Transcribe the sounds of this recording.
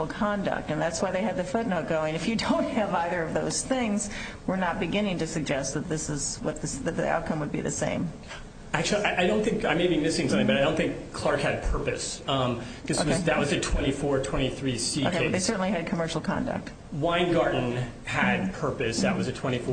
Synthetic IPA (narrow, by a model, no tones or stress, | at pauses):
l̩ˠkʰɑ̃ndə̰k̚tɨ̃nðætswaɪðeɪɨd̪̚ðɨfʊtⁿnoʊt̚ɡ̥oʊɪ̃ŋɨfjɨdõʊ̃nt̚hɨvaɪðə˞ʌvðoʊz̥θɪ̃ŋz | wɨɹnət̚b̥ɨɡɪ̃nɪ̃ŋtɨsɨɡ̚d͡ʒɛst̪̚ðɨt̪̚ðɪsɨzwʌt̪̚ðɨsðɨt̪̚ðḭʔa̰ʊt̚kʰʌ̃mwəd̚bḭðɨ̰sḛ̃ɪ̃m | æk̚t͡ʃʉl̩ˠiʔaɪʔaɪɾõʊ̃nθɪ̃ŋkãɪ̃meɪbimɪsɪ̃ŋsʌ̃mθɪ̃ŋbʌɾaɪdõʊ̃nθɪ̃ŋkʰl̥ɑɹkhɨd̚pʰɜ˞pɨsʌ̃m | ðɪsowʌeðɨt̚wʌzɨtʰw̥ɛ̃ɾ̃ifɔɹtʰw̥ɛ̃ɾ̃iθɹisioʊkeɪʌt̪ðeɪsɜ˞ʔn̩liɨd̚kʰəmɜ˞ʃl̩ˠkʰɑ̰̃ndɨ̰k̚t̚ | wãɪ̃nɡɑɹdⁿn̩ | ɨd̚pʰɜ˞pɨsðɨt̚wʌzɨtʰw̥ɛ̃ɾ̃ifɔ